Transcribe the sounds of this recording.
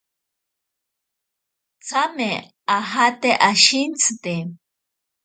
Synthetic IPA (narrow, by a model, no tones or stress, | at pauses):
t͡same | aɦat̪eʔaʃint͡sɨt̪e